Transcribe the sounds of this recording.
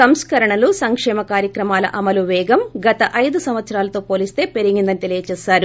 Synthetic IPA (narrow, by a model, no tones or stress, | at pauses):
sɐmskɐɾɐɳɐlusɐŋkʂɛːmɐkaːɾjɐkɾɐmaːlɐ̰ʔɐmɐluʋɛːɡɐmɡɐt̪ɐʔɐjd̪usɐmʋɐt̪sɐɾaːlɐt̪o̞ːpoːlist̪e̞ːpe̞ɾiɡind̪ɐnit̪elijɐt͡ʃɛːsaːɾu